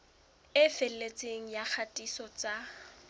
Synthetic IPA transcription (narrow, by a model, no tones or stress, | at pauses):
ɪfellet͡sʼeŋ̩jak͡xʰatʼisɔt͡sʼa